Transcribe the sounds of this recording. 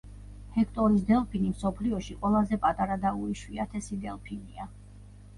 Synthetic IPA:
hɛkʰt̪ʼɔɾis̬d̪ɛlˠpʰinimsɔpʰliɔʃiqʼwɛlˠazɛpʼat̪ʼaɾad̪auɾiʃwiat̪ʰɛsid̪ɛlˠpʰinia

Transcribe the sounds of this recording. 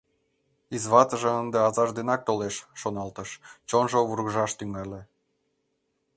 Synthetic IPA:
izβɑt̪ə̆ʒĕənd̪eɑzɑʒd̪enɑk̚t̪oleʃːonɑlt̪ə̆ʃt͡ɕonʒoβurɣʒɑʃt̪yŋɑlʲĕ

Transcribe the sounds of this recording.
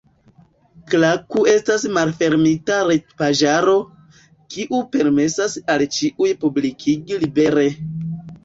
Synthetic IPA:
klakue̞stasmalfe̞ɾmitaɾet̚paʒaɾo̞ | kiʔupe̞ɾme̞sasalt͡ʃiʔujpublikʰiɡilibe̞ɾe̞

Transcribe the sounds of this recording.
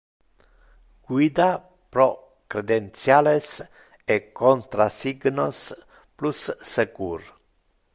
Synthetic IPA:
ɡ̥wid̪a | pɾo | kɾed̪ent̪sjales | ekont̪ɾasiɡnos | plusːekuɾ

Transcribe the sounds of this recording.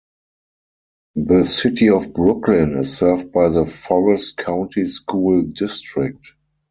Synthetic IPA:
ðəsɪtiɔfbɹʊklɪ̃nɪsːɜ˞vd̚baɪðəfɔɹɛstkʰãʊ̃ntiskuːldɪstɹɪk̚t

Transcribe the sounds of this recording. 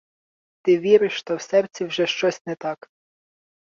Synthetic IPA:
t̪ɪʋʲiɾɪʃʃt̪ɔwsɛrt͡sʲiwʒɛʃt͡ʃɔsʲnɛt̪ɑk

